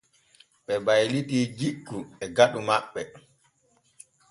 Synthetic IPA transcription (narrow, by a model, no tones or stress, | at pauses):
ɓɛbajlitiːd͡ʒikːuɓɛɡaɗumaɓːɛ